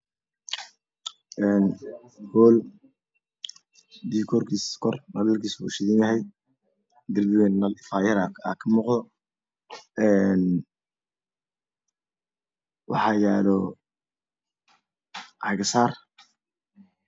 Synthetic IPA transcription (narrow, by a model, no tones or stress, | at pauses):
ɛːn | hɔːl | d̪iːkʰɔrkʰiːskʰɔrnɐlɐlkʰiːsbṵʃɪðɪnjɐɦɛj | d̪ɪrbɪwɛːnnɐlɪfaːjɐɾaa̰ːkʰɐmuːqd̪ɔ | ɛːn | wɑ̰ħɑːjɛːlɔ | hɐɣɐsaːr